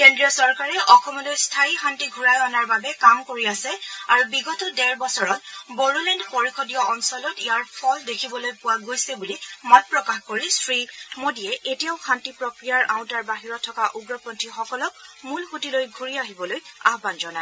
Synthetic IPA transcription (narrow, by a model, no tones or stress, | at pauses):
kendɹiɔsɔɹkaɹɛʔɔxɔmɔlojstʰajixantiɡʱuɹajanaɹbabɛkamkoɹiasɛaɹubiɡɔtɔdɛɹbɔsɔɹɔtboɹulɛndpoɹikʰodijɔʔɔnsɔlɔtijaɹpʰɔldekʰibɔlojpʊwaɡojsɛbulimɔt̚pɹɔkaxkoɹisɹimodiɛʔetijaʊxʰantipɹɔkɹijaɹʔaʊ̃taɹbaɦiɹɔtʰːɔkaʔuɡɹɔpɔntʰixɔkɔlɔk̚mulxutilojɡʱuɹiaɦibɔloja̰ɦbanzɔna